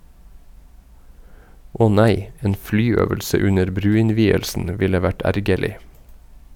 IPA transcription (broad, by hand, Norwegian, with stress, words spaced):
ˈʔɔh ˈnæɪ ˈeːn ˈflyːˌøːʋəlsə ˈʉnəɾ ˈbɾʉːɪnˌʋiːəlsn̩ ˈʋɪlə ˈʋæʈ ˈæɾɡəɭɪ